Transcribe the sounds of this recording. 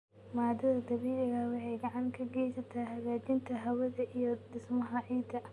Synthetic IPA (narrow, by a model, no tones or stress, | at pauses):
maːd̪ɐðɐd̪ɐβiːlɪɣɐwɑħɑjɡɑʕɑŋkʰɐɡɛjsɐt̪ʰaɦɐɣaːt͡ʃɪnt̪ʰɐɦɐwɐðɐʔijɔd̪ɪsmɐɦɐʕiːd̪ɐ